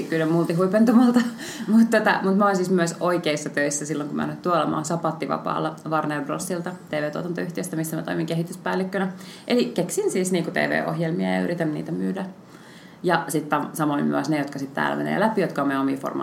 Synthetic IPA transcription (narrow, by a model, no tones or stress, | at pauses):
kylemmult̪iɦuipent̪umɑlt̪ɑ | mut̪t̪ot̪ɑmut̪mæolensiːsmyøsoikeisːɑt̪øisːæsilːoŋkumʔæ̰nːyt̪t̪uolɑmɑ̰ːnsɑpɑt̪ːiʋɑ̰pɑ̰ːlːɑʋɑrnerbro̰sːilt̪ɑt̪eːʋeːt̪uot̪ɑnt̪ɑyht̪iøst̪æmisːæmæt̪oimiŋkeɦit̪yspæːlːikːønæʔelikeksinsiːsniːŋkut̪ḛːʋḛːʔo̰hjelmiɑjɑ̰yɾit̪ænnḭːt̪æmyːdæ | jɑsit̪ːɑsɑmoimmy̰æsnejot̪kɑsit̪t̪æ̰ːlæ̰menḛːlæpijot̪kɑomeomḭːfo̰rmɑ̰